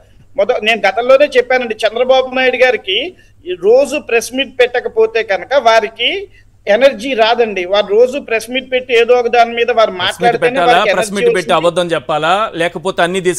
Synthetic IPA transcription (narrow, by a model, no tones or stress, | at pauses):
mɔt̪ːɐne̞ːnuɡɐt̪ɐmlo̞ːne̞ːt͡ʃɛpːaːnɐɳɖit͡ʃɛnd̪ɾɐbaːbunaːjɽuɡaːɾiki | ɾoːd͡ʒupɾesmiʈ̚pɛʈːɐkɐpo̞ːt̪e̞ːɡɐnɐkɐʋaːɾiki | enɐɾd͡ʒiːɾaːd̪ɐɳɖiʋaːɾuɾo̞ːd͡ʒupɾesmiʈ̚pe̞ʈːie̞ːd̪oːɐɡɐd̪aːnɐmiːd̪ɐʋaːɾumaːlaːɽteːneːʋaːaɾeɾɐɾsmiːiʈpeʈːiɐbɐd̪ːɐmt͡ʃɛpːaːlaːlɛːkɐpoːt̪eːɐnːiːd̪iːs